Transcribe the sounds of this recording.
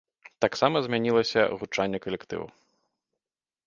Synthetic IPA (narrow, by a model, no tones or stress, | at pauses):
t̪aksamɐzʲmʲanʲilˠɐsʲɐ̰ɣut͡ʂanʲːɛkɐlʲɛkt̪ɨ̰wṵ